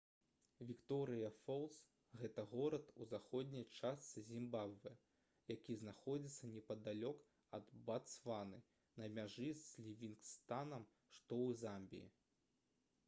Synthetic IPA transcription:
vʲikt̪ɔɾɨjɐfɔlˠs | ɣɛt̪ɐɣɔɾɐt̪uzaxɔd̪ʲnʲijt͡ʂast̪sɨzʲimbabvɨ | jakʲiznaxɔd͡zʲit̪sːɐnʲɛpɐd̪alʲɔk | ɐd̪bat̪svanɨ | nɐmʲaʐɨslʲivʲinkst̪anɐm | ʂt̪ɔwɨzamʲbʲḭḭ

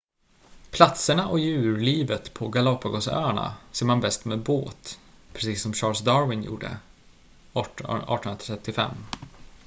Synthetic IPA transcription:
pʰlat̪səɳaʔɔjʉ̟ːɾliːvət̪pʰɔɡalɔpːaɡɔsœ̰ːaɳa̰seːɾmanbɛst̪meːd̪boːt̪ | pʰɾɛsiːsɔmɕɑːlsd̪ɑɾwɪnjṵːɖə̰ | ɑ̰ːʈɔnənɾat̪ʰɛt̪ːɪfɛ̰mː

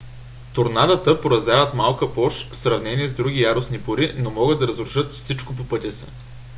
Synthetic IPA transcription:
t̪ʊɾnad̪ət̪əpoɾɐzʲavət̪malˠkəpɔʃsɾɐvnɛniɛzd̪ɾuɡʲijaɾʊsnipoɾinomɔɡɤd̪ɐɾəzɾʊʃɤt̪fsit͡ʃkop̬opɤt̪ʲisɛ̰

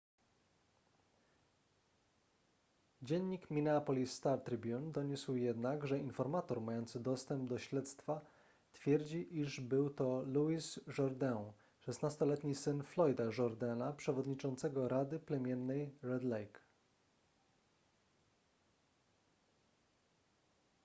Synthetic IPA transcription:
d͡ʑɛɲːikmʲinɛapɔlʲisːt̪aɾt̪ɾɘbʲjund̪ɔɲuswjɛd̪naɡʐɛinfɔɾmat̪ɔɾmajɔnt̪sɘd̪ɔst̪ɛmb̚d̪ɔɕlɛt̪st̪fa | t̪fʲjɛɾd͡ʑiʔiʐbɘwt̪ɔluisʐɔɾd̪ɛw̃ | ʂɛsnast̪ɔlɛt̪ɲisɘnflɔjd̪aʐɔɾd̪ɛnapʂɛvɔd̪ɲit͡ʂɔnt̪sɛɡɔɾad̪ɘplɛmʲjɛnːɛjɾɛd̪lɛjk

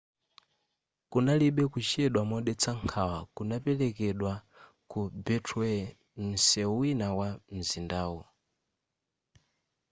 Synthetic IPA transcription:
kunaliɓɛkut͡ʃiɛɗwamɔɗɛt͡saŋkʰawakunapɛlɛkɛɗwa | kubɛtʰuɛ | m̩sɛwinawam̩zindaːwɔ

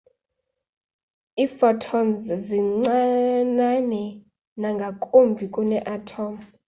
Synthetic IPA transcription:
iːfɔtʰɔmzziŋ͡ǀananɛ | naŋɡʱakʼombʱikʼunɛʔatʰɔːm

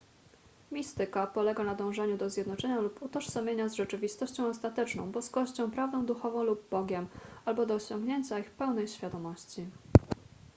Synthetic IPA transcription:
mʲist̪ɘkapɔlɛɡanad̪ɔ̃w̃ʐɛɲud̪ɔzʲjɛd̪nɔt͡ʂɛɲaluput̪ɔʂsamʲjeɲazʐɛt͡ʂɘvʲist̪ɔɕt͡ɕɔ̃w̃ɔst̪at̪ɛt͡ʂnɔ̃w̃bɔskɔɕt͡ɕɔ̃w̃pɾavd̪ɔ̃w̃d̪uxɔvɔ̃w̃lub̚ːɔɡʲjɛmalbɔd̪ɔːɕɔ̃ŋɡɲeɲt͡ɕaixpɛwnɛjɕfʲad̪ɔmɔɕt͡ɕi

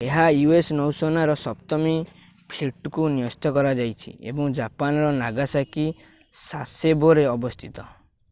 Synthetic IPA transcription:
eɦajuesnɔwsɔnaɾɔsɔpt̪ɔmi | pʰliʈkunijɔst̪ɔkɔɾad͡ʒajt͡ʃʰḭḛbɔŋd͡ʒapanɾɔnaɡasaki | saseboɾeɔbɔst̪ʰit̪ɔ

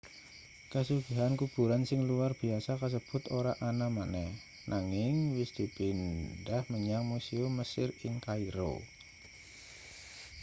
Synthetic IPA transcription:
kəsuɡ̥aɦankub̥uɾansɪŋluarb̥iasakəs̬əb̥ʊt̪oɾaʔanamanɛh | nʔaŋɪŋwɪsd̪̥i̤pindahməɲaŋmuseuməsɪrɪŋkaiɾo̰

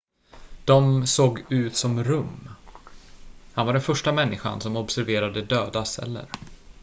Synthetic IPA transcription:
d̪̥ɔmsoːɡʉ̟ːt̪sɔmɾɵmː | hanvaɖɛnfœʂʈamɛnːɪɧa̰nsɔmɔbsæɾveːɾad̪əd̪øːd̪asɛ̰lːə̰ɾ

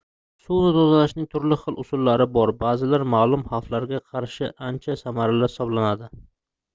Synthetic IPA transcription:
suwnɪt̪ʰozalaʃnɪŋt̪ʰʊɾlɪχɨlˠʔʊsʊlːaɾɪbɒɾbaːzɪlaɾmaːlˠʊmhaflaɾɡʲaqʰɑɾʃɪʔant͡ʃʰasamaɾalaɾhɪ̥sɒblanad̪ɪ

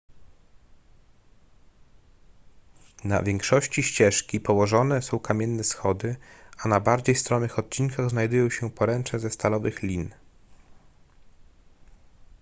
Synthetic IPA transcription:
na̰vʲjɛŋkʂɔɕt͡ɕiɕt͡ɕɛʂkʲipɔwɔʐɔnɛsɔ̃w̃kamʲjɛnːɛsxɔd̪ɘanabaɾd͡ʑejst̪ɾɔnːɘxɔt̪̚t͡ɕinkaɣznajd̪ujɔ̃w̃ɕɛpɔɾɛnt͡ʂɛzɛst̪alɔvɘxlʲin

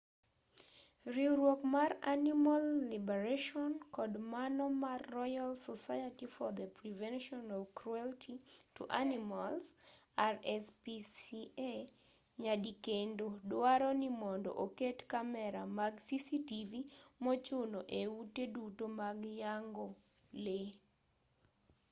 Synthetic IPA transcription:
ɾiɾwokmaranimalːibɛɾaʃɔnkɔdmanɔmarːɔjalsɔsajatifɔd̪əpɾivɛnʃɔnɔvkɾuɛltʰitṵʔa̰nimalsarɛspisie | ɲadikendodwaɾɔnimɔndɔ̰ʔoketkamɛɾamaɡsisitivimɔt͡ʃonoʔeutedutomaɡjaŋɡole

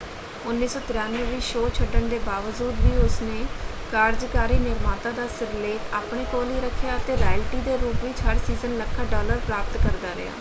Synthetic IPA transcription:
ʊnːiːsɔːt̪ɪɾaːnʋeːʋiːʃoːt͡ʃʰəɖəɳd̪eːbaːʋəd͡ʒuːd̪ʋiːʊsneː | kaːɾd͡ʒkaːɾiːnɪɾmaːt̪ãːd̪aːsəɾleːt̪aːpɳeːkoːliːɾəkʰːejaːət̪eːɾaːlʈiːd̪eːɾuːpʋiːt͡ʃʰəɾsiːzənləkʰːaːɖɔːləɾpɾaːpt̪kəɾd̪aːɾɪ̰ja̰ː

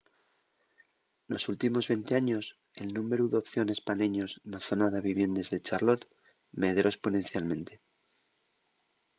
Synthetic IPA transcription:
no̞sult̪imo̞zβe̞nt̪e̞aɲo̞s | e̞lnũme̞ɾuðeopθjo̞ne̞spaneɲo̞snaθo̞naðeβiβje̞nd̪e̞zðet͡ʃaɾlo̞t̪ | meðɾo̞e̞spo̞nẽ̞nθjalmẽ̞nt̪e̞̥

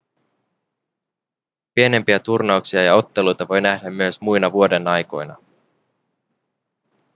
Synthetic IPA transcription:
pie̞ne̞mpiæt̪urnɑuksiɑjɑo̞t̪ːe̞lujt̪ɑʋo̞jnæhdæmːyøsmujnɑʋuo̞de̞nɑjko̞̰jnɑ̰

